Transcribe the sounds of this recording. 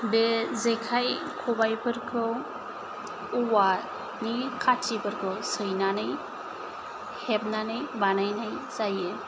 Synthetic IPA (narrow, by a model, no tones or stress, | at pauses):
bezekʰajkʰɔbajpʰɯɾkʰɯ | uwa | nikʰatʰibʰɯɾkʰɯsɯjnanɯj | heb̚nanɯjbanajnajzaje